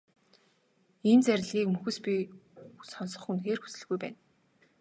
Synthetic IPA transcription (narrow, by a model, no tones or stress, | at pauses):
ent͡sæɾʲɮiːkmɵxɘ̆spʲi | sɔnsɞ̆χŭnt̪ɡeːrxu̥sɘ̆ɮɣujpæ̰ːn